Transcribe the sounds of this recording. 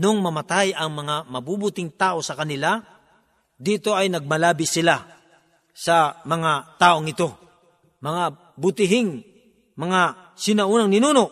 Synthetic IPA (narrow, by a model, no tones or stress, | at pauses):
noŋmɐmɐt̪ajɐŋmɐŋamɐbubʊt̪ɪŋt̪aːʔo̞sɐkɐnɪla | d̪iːt̪o̞ɐjnɐɡ̚mɐlaːbisɪla | sɐmɐŋat̪aːʔoŋɪt̪o̞ | mɐŋa | bʊt̪ɪɦɪŋ | mɐŋa | sɪnɐuːnɐŋnɪnuːnoʔ